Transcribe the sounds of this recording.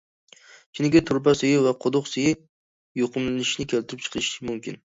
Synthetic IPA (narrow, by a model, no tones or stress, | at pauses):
t͡ʃʰinɪɡʲɛt̪ʰʊɾbasɪjɪvɛqʰod̪ʊqsɨjɪ | joqʰɨmlɪnɪʃnɪkʲʰelt̪ɪɾɪp̚t͡ʃʰɨ̥qʰʃɪmumkʲɪn